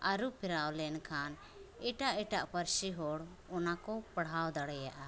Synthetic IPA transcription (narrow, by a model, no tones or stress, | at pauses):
aɾupʰiɾawlɛnkʰan | ɛʈaʔɛʈaʔpəɾsiɦɔɽ | ɔnakɔpəɽawd̪aɽɛjaʔa